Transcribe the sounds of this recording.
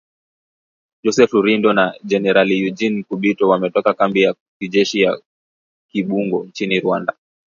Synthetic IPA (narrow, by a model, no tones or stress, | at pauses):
d͡ʒɔsɛfuɾindɔnad͡ʒɛnɛɾalijud͡ʒin̩kuɓitɔwamɛtɔkakambija | kid͡ʒɛʃija | kiɓuŋɡɔnt͡ʃiniɾwanda